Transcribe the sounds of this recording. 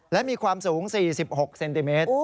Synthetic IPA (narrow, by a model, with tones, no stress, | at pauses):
lɛ˦˥miː˧kʰwaː˧msuː˩˦ŋsiː˨˩si˨˩p̚ho˨˩k̚se˧nt̪i˧meː˦˥t̪